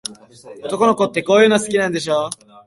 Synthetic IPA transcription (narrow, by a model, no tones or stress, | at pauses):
ot̪o̞ko̞no̞ko̞t̪ːe̞ko̞ːjɯ̟ːnasɨ̥kʲinãnd̪e̞ɕ̬oː